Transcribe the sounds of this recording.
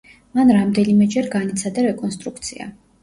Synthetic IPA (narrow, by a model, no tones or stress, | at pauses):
manɾamd̪ɛnimɛd͡ʒɛɾɡanit̪sʰad̪aɾɛkʼɔns̬t̪ʼɾukʰt̪sʰia̰